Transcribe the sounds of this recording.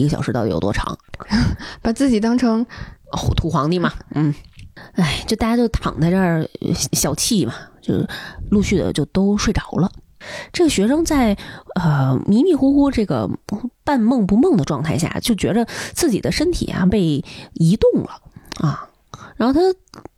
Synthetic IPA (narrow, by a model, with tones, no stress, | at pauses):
i˧˥ɡə˧ɕjɑ˨˩ʂɻ̩˧˥˧jo̰˨˩t̪wɔ˥ʈ͡ʂʰɑ̰˧˥ŋ | pa˨˩t͡sɹ̩˥˩t͡ɕi˨˩t̪ɑ˥ŋʈ͡ʂʰɤ˥ŋ˥˩ | t̪ʰu˧˥xwɑ˧˥ŋni˥˩mɐ˩n̩˥˩a˥˩ɪt͡ɕjo˥˧ʊt̪a˥˩ja˥t͡ɕjo˥˩ʊt̪ʰɑ̰˨˩ŋt͡sa˥ʈ͡ʂɕjɑ˨˩ʊt͡ɕʰi˥˩mɐ˩t͡ɕjo˥˧ʊʂlu˥˧ɕy˥˩d̪ə̰˩t͡ɕjo˥˩ʊt̪o˥ʊʂwe˥˩ɪʈ͡ʂɑ˨˩ʊlə˧ | ʈ͡ʂɤ˥˩ɡə˩ɕɥɛ˧˥ʂɤ˥ŋt͡sa˥˩ɪə˧mi˧˥mi˥˩xu˥xu˥ʈ͡ʂɤ˥˩ɡə̰˩pa˥˧nmɤ˥˩ŋpu˧˥mɤ˥˩ŋd̪ə˩ʈ͡ʂwɑ˥˧ŋt̪ʰa˥˧ɪɕja̰˥˩t͡ɕjo˥˩ʊt͡ɕɥɛ˧˥d̪ə˧t͡sʰɹ̩˥˩t͡ɕḭ˨˩d̪ə˦ʂə˥nt̪ʰḭ˨˩ja̰˦pe˥˩ɪi˧˥t̪ʊ˥˩ŋlə̰˩ɐ˩ | ɻa˧˥nxo˥˧ʊt̪ʰa˥